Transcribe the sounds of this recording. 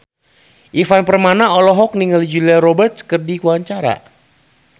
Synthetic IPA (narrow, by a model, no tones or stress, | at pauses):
ʔifanpərmanaɔlɔɦɔk̚niŋalid͡ʒuliaɾɔbərt̪̚skərdikuaɲt͡ʃaɾa̰